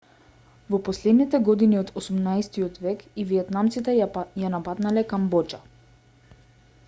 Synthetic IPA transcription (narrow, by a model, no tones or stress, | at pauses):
vɔpɔslɛd̪nit̪ɛɡɔd̪iniɔt̪ɔsumnajst̪iɔt̪vɛkiviɛt̪namt̪sit̪ɛjanapat̪nalɛkambɔt͡ʃa